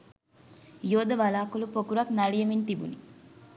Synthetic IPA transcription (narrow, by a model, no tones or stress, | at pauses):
joːd̪ɐʋɐlaːkulupokuɾɐknɐlijɐmint̪ibṵni